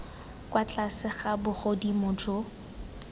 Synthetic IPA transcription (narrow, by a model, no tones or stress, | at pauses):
kwat͡ɬʼasɪχabʊχodimʊd͡ʒo